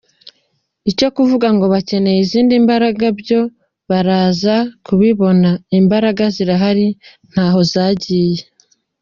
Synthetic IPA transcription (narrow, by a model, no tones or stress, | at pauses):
ico̞kuvuɡaŋɡo̞βace̞ne̞jiziːndimbaɾaɡabjo̞ | βaɾaːzakuβiβo̞naimbaɾaɡaziɾaɦaɾi | n̥haːɦo̞zaːɟiːje